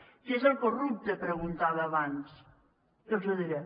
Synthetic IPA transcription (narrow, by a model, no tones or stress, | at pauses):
kezəlˠkorup̚t̪əpɾəɣunt̪aβəːβans | kelzoðiɾe